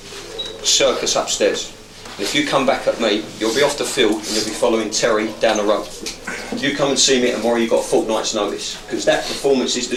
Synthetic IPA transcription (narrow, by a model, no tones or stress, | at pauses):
sɜˑkʰəsʌpstɛːz̥ | ə̃nɪfjəkʰʌ̃mbakʰəʔmijəlˠbiɒftəfɪlˠdə̃njəlˠbifɒləʊɪ̃ŋtʰɛɹid̥ãʊ̃nəɹə̃ʊ | jəkʰʌ̃mə̃nsiːmiʔə̰̃nwəɹəjəɡɒtfɔˑʔnaɪtsnəʊlɪ̰skʰɒzðəʔpʰəfɔːmə̃nsɪzðə